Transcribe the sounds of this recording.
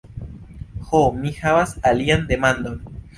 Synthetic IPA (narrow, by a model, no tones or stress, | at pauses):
xomixaβasaliand̪emãnd̪on